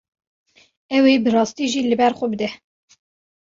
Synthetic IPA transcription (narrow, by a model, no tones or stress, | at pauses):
ɛwebɨrɑːst̪iːʒiːlɨbɛɾxʷɔbɨd̪ɛ